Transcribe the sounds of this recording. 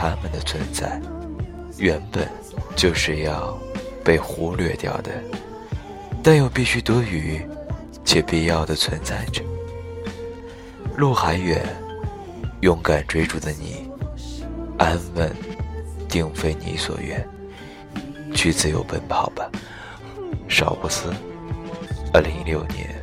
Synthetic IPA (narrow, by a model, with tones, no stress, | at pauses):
t̪ʰa˥mə˨d̪ə˨t͡sʰwə˧˥nt͡sa̰˥˩ɪ | ɥɛ˧˥npə˨˩n | t͡ɕjo˥˧ʊʂɻ̩˥˧jɑ˥˧ʊpe˥˩ɪxu˧˥lɥɛ̰˥˧t̪jɑ̰˥˩ʊd̪ə̰˩ | t̪a˥˧njo˥˩ʊpi˥˩ɕy˥t̪wɔ˥y˧˥ | t͡ɕʰjɛ˨˩pi˥˧jɑ˥˩ʊd̪ə˩t͡sʰwə˧˥nt͡sa˥˩ɪʈ͡ʂə˨˩ | lu˥˩xa˧˥ɪɥɛ˨˩n | jʊ˥˩ŋka˨˩nʈ͡ʂwe˥ɪʈ͡ʂu˨˩d̪ə˦nḭ˨˩ | ʔa˥nwə˥˩nt̪i˥˧ŋfe˥ɪnḭ˧˥swɔ̰˨˩ɥɛ̰˥˩n | t͡ɕʰy˥˧t͡sɹ̩˥˩jo˧˥ʊpə˥npʰɑ˨˩ʊb̥ɐ˦ | ʂɑ̰˨˩ʊpu˥˩sɹ̩˥ | ə˥˩li˧˥ŋljo˥˩ʊnjɛ̰˧˥n